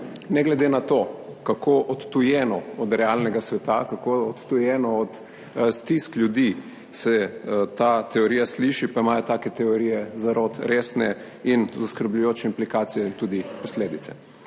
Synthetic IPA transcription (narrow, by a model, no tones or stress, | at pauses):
nɛɡlɛd̪enat̪okakʰoːʔɔt̪t̪ujɛːnɔɔd̪ɾɛalnɛɡasʋɛt̪akakoɔt̪t̪ujɛːnɔɔt̪ | st̪isklʲjud̪i | sɛt̪at̪ɛɔɾiːjasliʃipaimajɔt̪aːkɛt̪ɛɔɾiːjɛzaɾot̪ɾeːsnɛ | inzaskəɾbʎujoːt͡ʃɛimplikaːt̪sijɛint̪uːd̪ipɔsleːd̪it̪sɛ̥